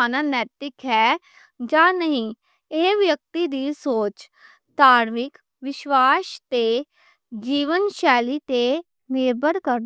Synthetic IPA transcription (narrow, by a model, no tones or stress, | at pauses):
aːnaːnɛːt̪ɪkɦɛː | d͡ʒãːnəɦĩː | eːʋjək̚t̪id̪iːsoːt͡ʃ | d̪aːɾmɪk | ʋɪʃwaːʃt̪e | d͡ʒiːʋənʃɛːlit̪eː | meːɾbəɾkəɾ